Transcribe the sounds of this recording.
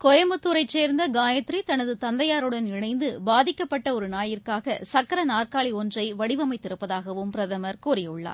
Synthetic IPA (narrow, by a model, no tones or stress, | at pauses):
kɔjɐmɐt̪ːuːɾɐɪt͡ʃːeːɾnd̪ɐɡaːjɐt̪ɾit̪ɐnɐðɯt̪ɐnd̪ɐjaːɾɯɽɐnɪɻɐɪnd̪ɯbaːðɪkːɐpːɐʈːɐɔɾɯnaːjɪrkaːɣɐsɐkːɐɾɐnaːrkaːɭiɔndrɐɪʋɐɽɪʋɐmɐɪt̪ːɪɾɯpːɐðaːɣɐʋɯmpɪɾɐðɐmɐɾkuːɾɪjɐɯɭːa̰ːɾ